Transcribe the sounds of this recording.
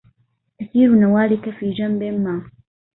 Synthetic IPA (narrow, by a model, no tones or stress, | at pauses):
ʔɐkiːɾunɐwaːlikɐfiːd͡ʒɐmbeːmːaː